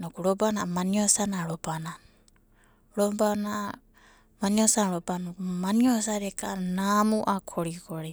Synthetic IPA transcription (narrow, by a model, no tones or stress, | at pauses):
nɔkuɾɔbanamaniɔsanaɾɔbanan | ɾɔbana | maniɔsanɾɔbanoumaniɔsaɾɛkanamuʔakʰɔɾikɔɾi